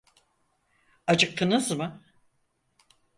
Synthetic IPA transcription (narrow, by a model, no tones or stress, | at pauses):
ad͡ʒɯk̚t̪ʰɯnɯzmɯ